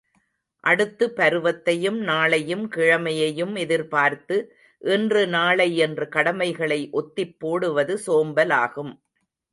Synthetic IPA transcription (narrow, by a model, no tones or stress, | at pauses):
ʔɐɽɯt̪ːɯpɐɾɯʋɐt̪ːɐjɯmnaːɭɐjɯmkɪɻɐmɐjɐjɯmɛðɪɾpaːɾt̪ɯ | ʔɛndrɯnaːɭɐɪɛndrɯkɐɽɐmɐɪɣɐɭɐɪʔɔt̪ːɪpːoːɽɯʋɐðɯsoːmbɐla̰ːɣɯm